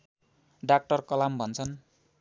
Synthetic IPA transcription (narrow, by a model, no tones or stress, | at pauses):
ɖak̚ʈʌrkʌlambʱʌnt͡sʰʌn